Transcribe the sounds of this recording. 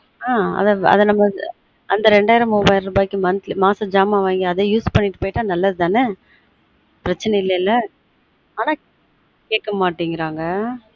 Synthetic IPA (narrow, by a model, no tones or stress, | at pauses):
aːɐ̰ðɐɐ̰ðɐnɐmːɐ | ɐnd̪ɐɾɛɳɖaːjɪɾɐmubaːjɪlɾɯbaːjkːɯmɐnt̪lmaːsɐd͡ʒaːmaːʋaːŋɡiɐðejuːspɐɳːɪʈːɯpoːjɪʈːaːnɐlːɐðɯt̪aːnɯ | pɪɾɐt͡ʃːɐnɛɪlːɐɪlːɐ | aːnaː | keːʈkɐmaːʈːiŋɡɪɾaːŋɡɐ